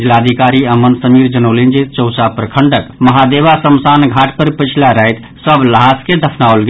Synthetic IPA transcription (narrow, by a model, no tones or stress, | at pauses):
d͡ʒilad̪ʱikaɾiəmənsəmiɾd͡ʒənolind͡ʒit͡ʃəwsapɾəkʰəɳɖəkməɦad̪ebasəmsanɡʱaʈʰpəɾpət͡ʃʰilaɾəɦjt̪ | səbləɦasked̪əpʰnaolɡ